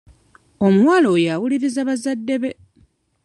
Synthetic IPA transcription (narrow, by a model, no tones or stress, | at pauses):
o̞muwaːlo̞jawuliɾizaβazadːe̞βe̞